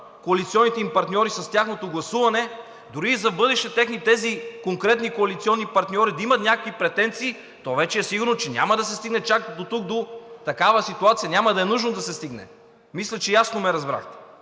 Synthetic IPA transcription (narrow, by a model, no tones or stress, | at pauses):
koɐlit̪siɔnːit̪ɛimpɐɾt̪nʲɔɾisɐst̪ʲjaxnot̪oɡlˠɐsuvɐnɛ | d̪ʊɾiːzɐbɤd̪ɛʃɛt̪ɛxnit̪ɛzikoŋkɾɛt̪nikoɐlit̪siɔnːipɐɾt̪nʲɔɾid̪ɐimɐt̪nʲakəkvipɾɛt̪ɛnt̪siː | t̪ɔvɛt͡ʃɛɛsiɡʊɾnot͡ʃɛnʲa̰mɐd̪ɐsɛst̪iɡnɛt͡ʃak̚d̪ot̪uk̚d̪ot̪ɐkavɐsit̪uat̪sijɐnʲamɐd̪ɐɛnuʒnod̪ɐsɛst̪iɡnɛ̰ | mislʲɛt͡ʃɛjasnomɛɾɐzbɾa̰xt̪ɛ̥